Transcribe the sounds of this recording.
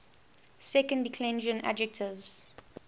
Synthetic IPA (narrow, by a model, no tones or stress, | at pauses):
sɛkə̃ndɪkʰlɛ̃nd͡ʒə̃nʔa̰d͡ʒɛk̚tʰɪvz̥